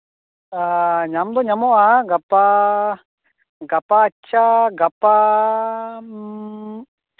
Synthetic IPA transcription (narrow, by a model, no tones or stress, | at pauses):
aɲamd̪ɔɲamɔʔaɡapa | ɡapaːt͡ʃʰaɡapa